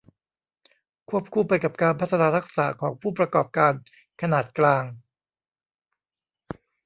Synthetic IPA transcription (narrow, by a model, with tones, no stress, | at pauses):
kʰu˥˩əp̚kʰuː˧pa˧jka˨˩p̚kaː˧npʰa˦˥t̪ʰːa˧naː˧˥ɾa˦˥k̚saː˩˦kʰɔː˩˦ŋpʰuː˥˩pɾa˧kɔː˨˩p̚kaː˧n | kʰa˧naː˨˩t̪̚klaː˧ŋ